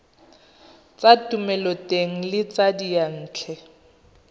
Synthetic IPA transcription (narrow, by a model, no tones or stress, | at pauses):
t͡satʼumɛlɔteŋ̩lɪt͡sadijan̩ːt͡ɬʰɛ